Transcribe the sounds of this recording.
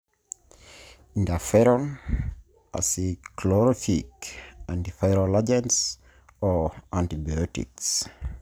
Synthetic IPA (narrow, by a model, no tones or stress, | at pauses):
ĩndafɛɾɔn | a̰siklɔɾɔfikãntifajɾolad͡ʒɛ̃ns | ɔʔãntibajɔtḭks